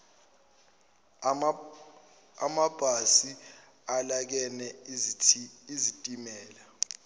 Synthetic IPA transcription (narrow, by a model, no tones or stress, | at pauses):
a̰mab̥ʱasi | alak̬ɛnɛ | izitʼimɛːla